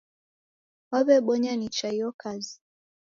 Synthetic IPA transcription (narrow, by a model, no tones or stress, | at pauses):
waβɛɓɔɲanit͡ʃajɔkazi